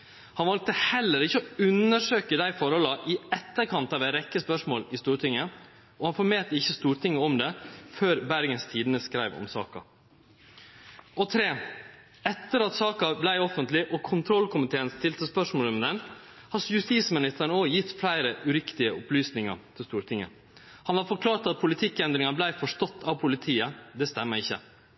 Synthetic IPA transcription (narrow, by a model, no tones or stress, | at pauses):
hɑnʋɑlt̪əhɛlːəɾɪçːəɔʉnəʂøːkəd̪æɪfɔɾhɔlɑʔɪɛt̪ːəɾkʰɑnt̪ɑʋɛɾɛkːəspœʂmoːlɪst̪uːɾʈ̪ʰɪŋːə | ɔhɑnfɔɾmeːt̪ːəɪçːəst̪uːɾt̪ʰɪŋːəɔmd̪ɛføːɾbæɾɡənst̪ʰiːd̪ənəskɾæɪʋɔ̰msɑ̰ːkɑ̰ | ɔt̪ʰɾeː | ɛt̪ːəɾɑt̪sɑːkɑblæɪɔfənt̪lɪʔɔkʰʊnt̪ʰɾɔlkʊmɪt̪ʰeːənst̪ɪlt̪əspœʂmoːlmd̪ɛnhɑsjʉst̪iːsmɪnɪst̪əɳəoːjɪt̪ːflæɪɾəʉɾɪkt̪ɪəʊplyːsnɪŋɑ̰ɾt̪ʰɪlst̪uːɾt̪ʰɪŋːə̰ | hɑnʋɑɾfɔɾkʰlɑːɾt̪ɑt̪̚pʰʊlɪt̪ʰɪkːɛnd̪ɾɪŋɑblæɪfɔʂtɔt̪ːɑʋpʰʊlɪt̪ʰiːəd̪ɛst̪ɛmːəɾɪçːə̰